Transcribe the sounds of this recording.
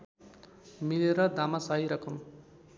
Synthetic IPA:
mileɾʌd̪amasaɦiɾʌkʰʌm

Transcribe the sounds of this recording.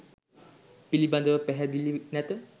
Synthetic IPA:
piliband̪əʋəpɛɦɛd̪ilinɛt̪ə

